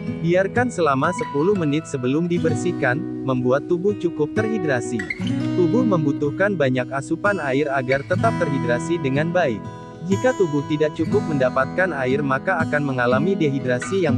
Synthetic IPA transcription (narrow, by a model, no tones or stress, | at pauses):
biarkansəlamasəpulʊhmənɪt̪̚səbəlʊmdibərsikan | məmbuat̪ːubʊht͡ʃukʊp̚t̪ərɦidɾasit̪ubʊhməmbut̪uhkanbaɲakasupanaɪraɡart̪ət̪ap̚t̪ərɦidɾasidəŋanbaɪk̚ | d͡ʒikat̪ubʊht̪idak̚t͡ʃukʊp̚məndapat̪̚kanaɪrmakaːkanməŋalamideɦidɾasijaŋ